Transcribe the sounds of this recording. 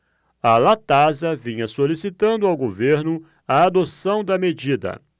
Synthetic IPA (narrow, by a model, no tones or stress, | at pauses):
ɐlat̪azɐvĩɲɐsolisit̪ɐ̃nd̪ʊawɡoveɾnʊ | ɐːd̪osɐ̃w̃d̪ɐmed͡ʒid̪ɐ̰